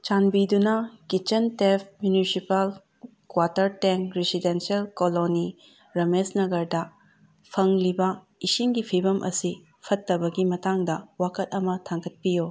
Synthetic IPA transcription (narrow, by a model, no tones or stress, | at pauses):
t͡ʃanbidunɐkit͡ʃɐntepʰmjunisipal | kwatɐɾteŋkɾisidensialkoloni | ɾɐmesnɐɡɐɾdɐ | pʰɐŋlibɐ | isiŋɡipʰibɐmʔɐ̰si | pʰɐtːɐbɐɡimɐtaŋdɐwakɐt̚ɐmɐtʰaŋɡɐt̚pijo